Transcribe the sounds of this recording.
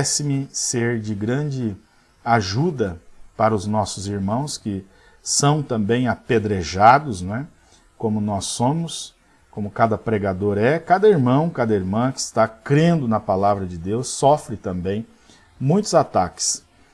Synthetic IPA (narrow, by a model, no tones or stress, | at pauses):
sɪmɪseɾd͡ʒɪɡɾɐ̃d͡ʒɪ | aʒud̪ɐpaɾɐʊznɔsʊziɾmɐ̃w̃skɪ | sɐ̃w̃t̪ɐ̃mbẽj̃aped̪ɾeʒad̪ʊznwɛ | kõmʊnɔsːõmʊs | kõmʊkad̪ɐpɾeɡad̪oɾɛkad̪ɐiɾmɐ̃w̃kad̪ɐiɾmɐ̃kɪɪst̪akɾẽnd̪ʊnɐpalavɾɐd͡ʒɪd̪ewsːɔfɾɪt̪ɐ̃mbẽj̃ | mũj̃t̪ʊzat̪akɪ̥s